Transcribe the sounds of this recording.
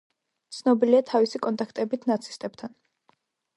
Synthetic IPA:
t̪sʰnɔbiliat̪ʰavisikʼɔnt̪ʼakʰt̪ʼɛbit̪ʰnat̪sʰi̥st̪ʼɛb̥̚t̪ʰan

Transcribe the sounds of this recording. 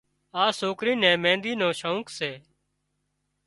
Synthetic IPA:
aːsoːkɾiːnɛ̃ːmɛ̃ːnd̪iːnõːʃaũːkseː

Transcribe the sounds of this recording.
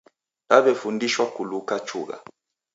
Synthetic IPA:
laβɛfundiʃwakulukat͡ʃʰṵːka̰

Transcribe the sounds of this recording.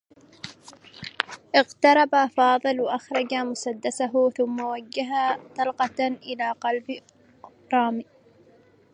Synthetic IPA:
ʔɪɣt̪ɑɾˤɑbafɑːðˤɨlwaʔaxɾˤɑd͡ʒamʊsad̪ːasaɦʊθʊmːawaɡːaɦat̪ˤɑlqɑʔɪlaːqɑlb | ɾˤɑːmi

